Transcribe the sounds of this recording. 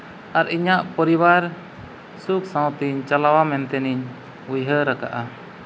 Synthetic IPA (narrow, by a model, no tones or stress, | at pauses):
aɾiɲaʔpɔɾiwaɾ | suk̚sãw̃t̪iɲt͡ʃalawamɛnt̪ɛniɲ | ujɦəɾaka̰ʔa